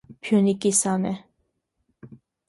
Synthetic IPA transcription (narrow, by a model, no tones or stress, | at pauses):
pʰjunikʼisɑnɛ